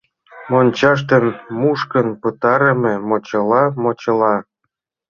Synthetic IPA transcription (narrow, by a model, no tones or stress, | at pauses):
monʲt͡ɕɑʃ̬t̪ə̆nmuʃkə̆npɤt̪ɑɾə̆mĕmot͡ɕɤ̆lɑmot͡ɕɤ̆lˠɑ